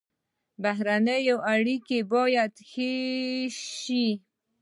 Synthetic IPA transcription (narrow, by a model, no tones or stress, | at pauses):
baɦɾanəjoʔaɽikebɑjad̪xe | ʃi